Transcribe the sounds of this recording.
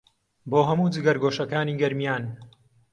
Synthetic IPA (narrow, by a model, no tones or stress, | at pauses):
boːɦɐmuːd͡zɨɡɐɾɡoːʃɐkaːniːɡɐɾmijaːn